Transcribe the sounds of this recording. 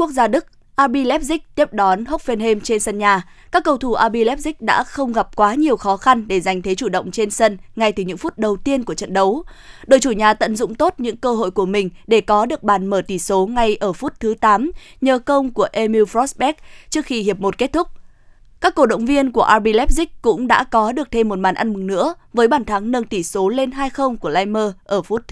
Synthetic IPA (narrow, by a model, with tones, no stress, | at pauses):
ku˦˥ək̚zaː˧ɗɨ˦˥k̚ | ʔaː˧ɓi˧lɛ˦˥p̚zï˦˥k̚t̪i˦˥əp̚ɗɔ˨˦nɦə˦˥k͡p̚fe˧nɦe˧mt͡ɕe˧nsə˧nɲaː˨˩ | kaː˦˥kːə˧wt̪ʰu˧˩ʔaː˧ɓi˧lɛ˦˥p̚zï˦˥k̟̚ɗa̰ː˧˥xə˧wŋ͡mɣa˨˩p̚kwaː˨˦ɲi˨˩əwxɔ˨˦xa˧nɗe˧˩za˨˩jŋ̟t̪ʰe˨˦t͡ɕu˧˩ɗə̰˧˨wŋ͡mt͡ɕe˧nsə˧nŋa˧jt̪ɨ˨˩ɲɨ̰˧˥ŋfu˦˥t̚ɗə˨˩wt̪i˧ənku˧˩ət͡ɕə̰˧˨nɗə˨˦wɗo̰˧˩jt͡ɕu˧˩ɲaː˨˩t̪ə̰˧˨nzʊ̰˧˨ŋ͡mt̪o˦˥t̚ɲɨ̰˧˥ŋkəː˧ɦo̰˧˨jku˧˩əmï˨˩ŋ̟ɗe˧˩kɔ˨˦ɗɨ˨˩ək̚ɓaː˨˩nməː˧˩t̪i˧˩so˨˦ŋa˧jʔəː˧˩fu˦˥t̚t̪ʰɨ˨˦t̪aː˨˦mɲəː˨˩kə˧wŋ͡mku˧˩əʔe˧mi˧wfɾɔ˦˥sɓɛ˦˥k̚t͡ɕɨ˦˥əkxi˧ɦi˨˩əp̚mo˨˩t̚ke˦˥t̚t̪ʰʊ˦˥k͡p̚ | kaː˦˥kːo˧˩ɗə̰˧˨wŋ͡mvi˧ənku˧˩əʔaː˧ɓi˧lɛ˦˥p̚zï˦˥k̚kʊ̰˧˥ŋ͡mɗa̰ː˧˥kɔ˨˦ɗɨ˨˩ək̚t̪ʰe˧mːo˨˩t̚ma̰ː˨˩nʔa˧nmɨ˨˩ŋnɨ̰˧˥ə | vəː˨˦jɓaː˧˩nt̪ʰa˨˦ŋnəː˧nt̪i˧˩so˨˦le˧nɦaː˧jxə˧wŋ͡mku˧˩əlaː˧jməː˧ʔəː˧˩fu˦˥t̚t̪ʰ